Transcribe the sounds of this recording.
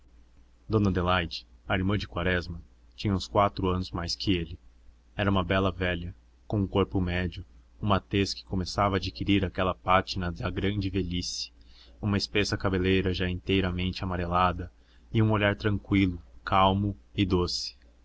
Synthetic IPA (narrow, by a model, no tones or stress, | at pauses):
d̪õnɐd̪elajd͡ʒɪ̥ɐiɾmɐ̃d͡ʒɪkwaɾɛzmɐ | t͡ʃĩɲɐũskwat̪ɾʊɐ̃nʊzmajskʰɪelɪ | ɛɾɐũmɐbɛlɐvɛʎɐ | kõũkoɾpʊmɛd͡ʒʊũmat̪eskɪ̥komesavɐːd͡ʒikiɾiɾakɛlɐpat͡ʃɪnɐd̪ɐɡɾɐ̃nd͡ʒɪvelisi̥ũmɐɪspesɐkabelejɾɐʒaẽnt̪ejɾɐmẽnt͡ʃɪamaɾelad̪ɐ | ɪũoʎaɾt̪ɾɐ̃ŋkwilʊkʰawmʊɪd̪osɪ̥